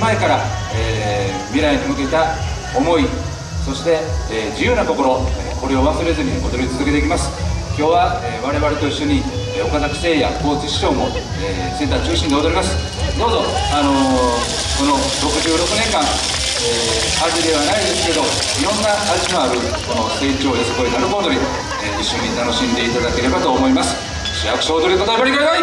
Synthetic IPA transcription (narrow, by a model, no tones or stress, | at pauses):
maekaɾaeː | mʲiɾaiɲimɯ̟keit̪a | omo̞i | so̞ɕi̥t̪e̞d͡ʑijɯːnat̪o̞ko̞ɾo̞eko̞ɾʲioβasɨɾe̞zɨɲ̟iɡo̞d̪o̞ɾʲit͡sɨzɨke̞t̪ekʲimasɨ̥kʲo̞ːβaeβaɾe̞βaɾe̞t̪o̞iɕːo̞ɲ̟i | o̞kazakɯ̥se̞ːja̰ko̞ːt͡sɨɕi̥ɕo̞ːmo̞ | e | t͡sɨit̪at͡ɕɨːɕĩnd̪e̞od̪o̞ɾʲimasɨ̥ | d̪oːzo̞ano̞ | ko̞no̞ | ɾo̞kɯ̟ʑɨːɾo̞kɯ̟nẽ̞ŋkãŋ | e | haɾɾʲid̪e̞βanaid̪e̞sɨ̥ke̞d̪o̞ | iɾõ̞nːaːʑimaɾɯ̟ | ko̞no̞se̞ːt͡ɕo̞ːjosokoinaɾɯboːd̪o̞ɾʲi | eiɕːo̞ɲ̟it̪ano̞ɕĩnd̪e̞it̪ad̪ake̞ɾe̞bat̪o̞ːmo̞imasɨ̥ | ɕijakɯ̟ɕaod̪oɾikot̪oebaɾiɡanai